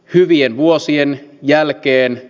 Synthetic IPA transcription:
hyʋienʋuosienjælkeːn

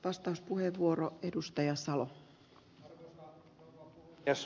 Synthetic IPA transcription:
ʋɑst̪ɑuspuɦhe̞ʋːuo̞ɾo̞e̞dust̪ɑjɑsɑlo̞ | ɑs

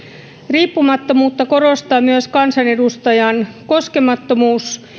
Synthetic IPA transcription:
riːpːumɑt̪ːomuːt̪ːɑko̞ɾo̞st̪ɑːmyøskɑnsɑne̞dust̪ɑjɑnko̞ske̞mɑt̪ːo̞muːs

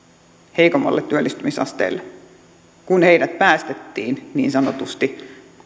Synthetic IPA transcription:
he̞jkomːɑ̰lːet̪ːyølːist̪ymisɑ̰st̪ḛlːe | kunhejdæt̪̚pæːst̪et̪ːiːnnḭːnsɑnot̪ust̪i

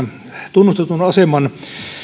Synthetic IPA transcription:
t̪unːust̪et̪unɑsemɑn

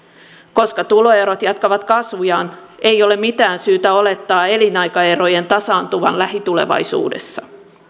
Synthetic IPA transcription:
ko̞skɑt̪ulo̞e̞ɾo̞t̪jɑt̪kɑʋɑt̪kɑsʋujɑːne̞jo̞le̞mit̪æːnsyːt̪æo̞le̞t̪ːɑːe̞linɑjkɑe̞ɾo̞je̞nt̪ɑsɑːnt̪uʋɑ̰nlæɦit̪ule̞̰ʋɑ̰jsṵːde̞̰sːɑ

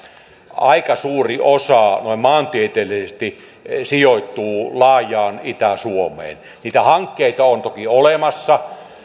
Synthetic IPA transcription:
ɑikɑsuːriosɑnoˑimmɑːnt̪iet̪eːlisest̪i | sijot̪ːˑuːlɑːjˑɑːnit̪æsuomˑḛːn | niːt̪æhɑŋkːeit̪ɑont̪okiolemɑsːɑ

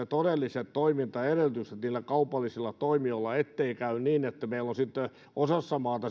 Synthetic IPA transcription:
et̪odelːiset̪t̪oimint̪ɑeɾelyt̪yst̪it̪niːlːækɑupɑlːisilːɑt̪oimioilːɑet̪ːeikæynniːnet̪ːæmeilːonsit̪ːe | ʔosɑsːɑmɑːt̪ɑ

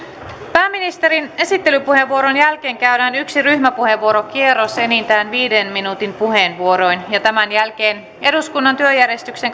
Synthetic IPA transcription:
pæːmːinist̪e̞ɾine̞sit̪ːe̞lypuhe̞ʋːuo̞ɾonjælk̟eːŋkæyɾæːnyksiryçmæpuhe̞ʋːuoɾo̞k̟ierːo̞se̞nint̪æːnʋiːdenminut̪impuɦe̞ːnʋuo̞ɾo̞jnjɑt̪æmænjælk̟e̞ːn | e̞duskunːɑnt̪yøjæɾjest̪ykseŋ

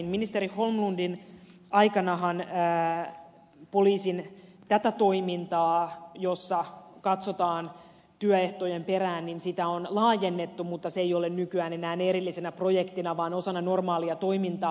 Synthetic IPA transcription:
nminist̪eɾiholmlundin | ɑikɑnɑɦɑnː | po̞liːsin | t̪æt̪æt̪o̞imint̪ɑːjosːɑkɑt̪sot̪ɑːn | t̪yœeht̪ojempeɾæːnninsit̪æonlɑːjenːet̪ːumut̪ːɑseejolennykyæːnenæːneɾilːisenæpro̞jekt̪inɑʋɑːnosɑnːɑno̞rmɑːliɑt̪o̞imint̪ɑː

